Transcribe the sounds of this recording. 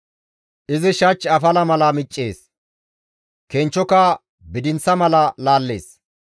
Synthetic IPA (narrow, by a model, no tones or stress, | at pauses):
ʔɪzɪʃɐt͡ʃːɐfɐlɐmɐlɐmɪt͡ʃʼːeːs | kent͡ʃːɔkɐ | bɪd̪ɪnt͡sːɐmɐlɐlaːlːe̞̰ːs